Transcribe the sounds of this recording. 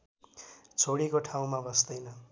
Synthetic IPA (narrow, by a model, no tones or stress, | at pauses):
t͡sʰoɽikoʈʰaw̃mabʌsd̪ʌjnʌ